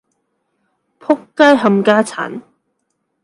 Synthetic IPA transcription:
pʰʊ˥kːa˥jɦɐ˧mkaː˥t͡sʰa̰ː˨˩n

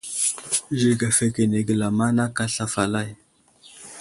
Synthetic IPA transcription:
zi˨ka˨fe˨ke˨ne˨ɡə˨la˨ma˦na˦ka˦ɬa˦fa˨la˦˨j

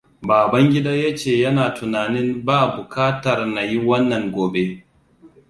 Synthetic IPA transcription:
baː˨bɐ˦ŋɡʲɪ˦da˦ja˦t͡ʃeː˦˨jɐ˦naː˨tʊ˨naː˨nɪ˦mbaː˦bʊ˨kʰaː˦tɐ˨rna˨ji˦wɐ˦nːɐ˨ŋɡʷoː˨be˦

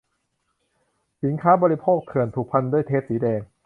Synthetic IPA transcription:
si˩˦nkʰaː˦˥bɔː˧ɾi˦˧pʰoː˥˩k̚t̪ʰɯ˨˩ənt̪ʰu˨˩k̚pʰa˧ndu˥˩əjt̪ʰeː˦˥˩t̚siː˩˦dɛː˨˧ŋ

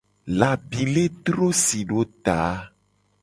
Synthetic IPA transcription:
la˨bi˨le˦t̪ɾo˦si˨ɖo˦t̪a˨˦

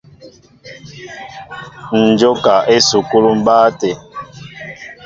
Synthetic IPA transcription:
n̩˨d͡ʒo˦ka˨ʔe˦su˨ku˦lu˦m̩˦baː˦tɛ˨

